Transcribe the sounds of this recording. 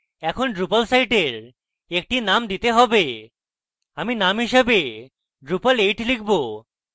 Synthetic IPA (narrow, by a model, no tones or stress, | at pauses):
ɛkʰonɖɾupəlsajʈeɾ | ek̚ʈinamd̪it̪eɦɔbe | aminamɦiʃəbe | ɖɾupəleʈlikʰbo